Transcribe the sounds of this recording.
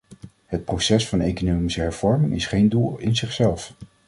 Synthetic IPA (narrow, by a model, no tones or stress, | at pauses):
ɦət̚prowsɛsfɑnejkonowmisəɦɛɹv̥ɔɹmɪŋɪsχejndulˠɪnzɪχsɛlˠf